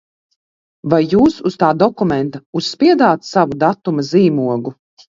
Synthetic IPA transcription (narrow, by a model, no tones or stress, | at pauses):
vajːuːsust̪aːd̪ɔkumɛnt̪ausːpʲiɛd̪aːt̪savud̪at̪umaziːmuɔɡu